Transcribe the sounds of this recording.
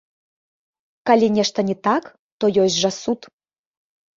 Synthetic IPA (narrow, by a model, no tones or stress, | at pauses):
kɑlʲinʲeʃt̪ə̆nʲit̪ɑk | t̪ojoʑʒɑsut̪